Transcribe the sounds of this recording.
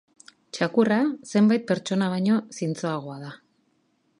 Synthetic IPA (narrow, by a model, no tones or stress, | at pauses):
t͡ʃakurase̞mbajt̪̚pe̞ɾt͡ʃo̞naβ̞aɲo̞sint͡so̞aɣ̞o̞aða